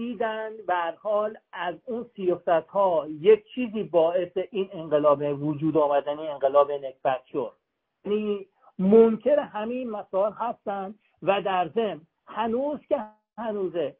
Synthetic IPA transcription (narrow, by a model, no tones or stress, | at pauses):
iːd̪ænd̪beæɾhɒːlæzuːnsijɒːsæt̪hɒːjec̚ʰt͡ʃʰiːziːbɒːe̞seʔiːneɴɢelɒːbevod͡ʒuːd̪ɒːmæd̪ænieŋɢelɒːbenekb̥æt̪ʃod̪̥ | jæniː | momcʰeɾeɦæminmæsɒːelɦæst̪ænd̪ | væd̪æɾzemn | hænuːzcʲe | hænuːze